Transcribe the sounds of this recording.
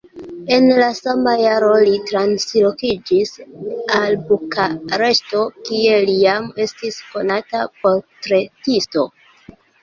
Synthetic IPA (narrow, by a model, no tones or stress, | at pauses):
e̞nlasamajaɾo̞litɾanslo̞kid͡ʒisalbukaɾe̞ʃto̞kie̞lijame̞stisko̞natapo̞ɾtɾe̞tisto̞